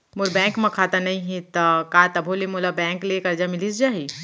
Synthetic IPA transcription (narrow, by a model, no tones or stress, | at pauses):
muɾbɛ̃ŋkmẽkʰat̪ənəĩɦĩt̪əkat̪əbʱolemolabɛ̃klekəɾd͡ʒamilisd͡ʒaːɦi